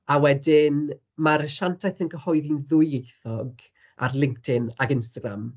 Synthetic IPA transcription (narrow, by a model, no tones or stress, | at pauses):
awɛdɪn | maɾəʃantʰajθənɡəhɔɨðinðʊɨejθɔɡ | a̰rlˠɪŋktʰɪnaɡɪnstaɡɾa̰m